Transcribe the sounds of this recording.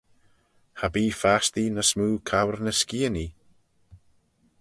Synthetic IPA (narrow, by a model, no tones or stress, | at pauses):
habiːfast̪inəsmuːkʰawrnəskiəni